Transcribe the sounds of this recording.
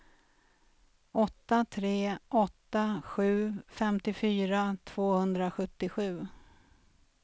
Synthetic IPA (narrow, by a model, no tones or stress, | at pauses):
ʔɔt̪ːat̪ʰɾeːʔɔt̪ːaɧʉ̟ːfɛmt̪ɪfyːɾat̪ʰv̥oːhɵnd̪ɾaɧɵt̪ːɪɧʉ̟ː